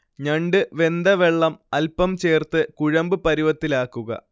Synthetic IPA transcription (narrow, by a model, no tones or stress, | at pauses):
ɲɐɳɖɨʋe̞nd̪ɐʋeɭːɐmɐlpɐmt͡ɕe̞ːrt̪ɨkuɻɐmbɨpɐɾiʋɐt̪ːilaːkːuɣɐ̰